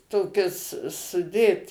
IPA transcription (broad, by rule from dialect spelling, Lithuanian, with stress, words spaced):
ˈtoːkʲɪs sʊˈdʲeːt